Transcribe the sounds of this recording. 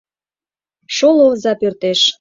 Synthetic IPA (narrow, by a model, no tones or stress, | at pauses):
ʃolozɑpørt̪eʃ